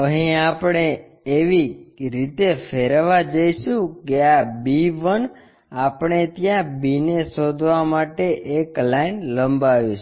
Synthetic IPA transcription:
əɦĩapɽeː | ʋiɾit̪efʰeɾʋad͡ʒəjʃũkeabiʋən | apɳ̃et̪jãbinesod̪ʱʋamaʈeʔeklanləmbaʋjũt͡ʃʰe

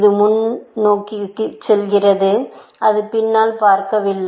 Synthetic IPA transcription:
ðɯmʊnnoːkikːɯt͡ʃːɛlɣɪrɐðɯɐðɯpɪnːaːlpaːɾkɐʋɪlːɐ

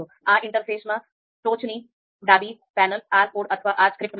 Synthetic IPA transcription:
oː | ãːʔɪ̃ɳʈəɾfeːsmã | ʈoːt͡ʃniː | ɖaːbiːpɛːnəlaːɾpoːɖɐt̪ʰʋaːʔaːd͡ʒkɾɪp̚ʈm

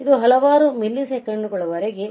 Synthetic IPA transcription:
id̪uɦɐlɐʋaːɾumilːisekɐɳːukɔɭɐʋɐɾeɡe

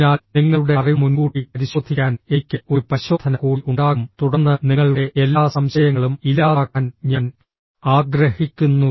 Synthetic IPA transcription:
naːlniŋːɐɭuɽe̞ɐrimunɡuːʈipɐɾiɕwɐd̪ʱikʲːaːnekʲːɨoɾupɐɕo̞ːd̪ʰʱɐnɐkuːiʔuɳɖaːɣumt̪uɽɐnːɐniŋːɐɭuɽe̞ʔelːaːsɐmɕɐjɐŋːɐɭumilaːkaːnɲaːn | aːɡɾɐhikʲːunːu

